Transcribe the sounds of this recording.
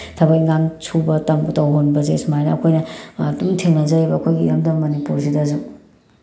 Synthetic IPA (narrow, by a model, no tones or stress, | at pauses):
tʰɐbɐkiŋɡaŋt͡ʃʰubɐtɐmbtɐwɦonbɐzesumajnɐɐkʰojnɐːdumtʰeŋnɐzɐɾibɐːkʰojɡiːɾɐmdɐmɐnipuɾsʰidɐzu